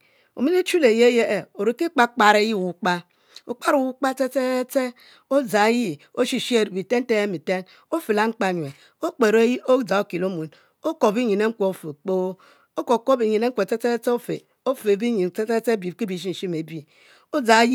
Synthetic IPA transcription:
o̰˨mi˦ne˦t͡ʃu˦le˨je˦je˦ʔe˨o˨ɾe˨ki˦k͡pa˦k͡pa˨ɾe˦ji˦˨wu˨k͡pa˦ | o˨k͡pa˦ɾu˨wu˦k͡pa˦te˦te˦t͡se˦ | o˦d͡za˨˦ji˦ | o˦ʃi˨ʃe˨ɾbi˨te˦n̩˦e˦e˦mi˨te˦n | o˦fe˨la˦ŋ͡m̩˦k͡pa˨ɲwe˨ | o˦k͡pe˨ɾji˦o˦d͡za˨o˦ki˨lo˦mu˨n | o˦ko˨bi˦ɲi˨ne˦ŋ̩˦kʷo˨o˨˦fo˨k͡po˦ | o˦ko˨ko˦bi˨ɲi˨ne˦ŋ̩ʷ˦e˨te˦e˦t͡se˦o˦fḛ˨ | o˦fe˨bi˦ɲi˨nte˦te˦t͡se˦bi˨ki˦bi˨ʃ̬i˦n̩˨ʃi˦me˨bi˨ | o˦d͡za˨˦ji˦

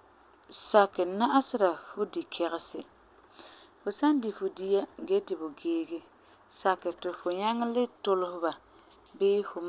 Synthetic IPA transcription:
sa˨kːɪ˨na˦ʔa˦sɪ˦ɾa˨fʊ˦di˨kʰɛ˨ɣɪ˦sɪ˦ | fʊ˨sa˦ndi˨fʊ˨di˦ja˦ɡe˦tɪ˨bʊ˨ɡeː˦ɡɪ˦ | sa˨kːɪ˨tɪ˨fʊ˨ɲa˦ŋ˦lɪ˦tʊ˦lʊ˦hʊ˦ba˨ | bɪː˦fʊ˨m˦

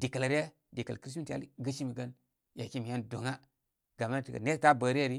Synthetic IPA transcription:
di˨ka˨la˨ɾja˦ | di˨ka˨lkɾi˦s̬mi˦ta̰˦lɡə˦ʃi˦mi˨ɡa˦n | ja˨ki˦mi˨ja˦ndo˨ŋa˦ | ɡa˨ma˦n˨ti˨ɡa̰˨ne˦ɾta˦bə˨ɾi˦ja˦˨ɾi˦

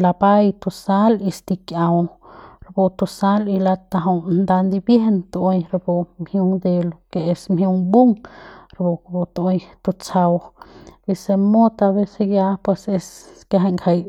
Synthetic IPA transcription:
la˧ba˦jt̪u˧sa˦li˧st̪i˧kja˧wɾbo˧t̪u˧sa˦li˧la˧t̪a˧ɦo˧nd̪a˧nd̪i˧bje˦hnt̪o˧o˧jɾbo˧mhju˧ŋd̪e˧lo˧ke˨e˧smhju˧ŋbu˦ŋɾbo˧kbo˧t̪o˧jt̪u˧t͡sa˧wbi˧se˧mo˦t̪a˧be˧se˧ɡja˦pwe˧se˧ske˧ɦa˧ŋkʰa˧j

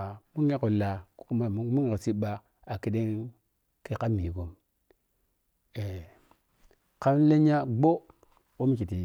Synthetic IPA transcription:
mu˦e˦ko˨la˨kku˦ma˦˨˦mu˦ŋ˨ksi˦ɓa˦ | a˨ki˦de˦ŋ | ke˦ka˦mi˨ko˨m | e˨ | ka˦m˦le˦ɲa˦ɡ͡bo˦ | o˦mi˦t͡ʃi˨ti˨

